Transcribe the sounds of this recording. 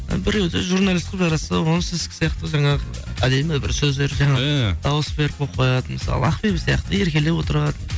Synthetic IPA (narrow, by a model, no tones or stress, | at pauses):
bɪɾewd̪ɪʒuɾnalʲist̪ɪqpʒɑɾɑsəwonsezkʲɪ̥sijɑqt̪əʒɑɴɑʁə | æd̪e̞mɪbɪ̰ɾsɵzd̪e̞ɾʒɑɴɑd̪̥ɑwəsbeɾɪp̚ʰoqʰojɑd̪əməsɑ̰lˠə̰ɑqpebɪsijɑqt̪əe̞ɾkʲe̞le̞wo̞t̪əɾɑd̪ə